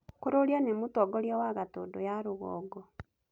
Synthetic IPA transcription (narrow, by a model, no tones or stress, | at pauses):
koɾoɾjɔnemutɔɡoɾjɔwaɣatodojaɾuɣɔ̰ːɡɔ